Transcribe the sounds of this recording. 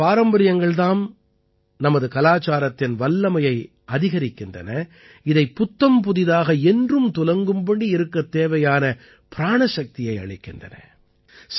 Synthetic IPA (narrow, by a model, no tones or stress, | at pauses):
paːɾɐmbɐɾɪjɐŋɡɐɭðaːm | nɐmɐðɯkɐlaːt͡ʃaːɾɐt̪ːɪnʋɐlːɐmɐjɐɪ | ɐðɪɣɐɾɪkːɪndrɐ̰nɐ | ɪðɐɪpːʊt̪ːɐmpʊðɪðaːɣɐɛndrɯmt̪ʊlɐŋɡɯmbɐɳɖiɪɾɯkːɐt̪ːeːʋɐjaːnɐ | pɪɾaːɳɐʃɐk̚t̪ɪjɐɪɐ̰ɭɪkːɪndrɐnɐ̰ | s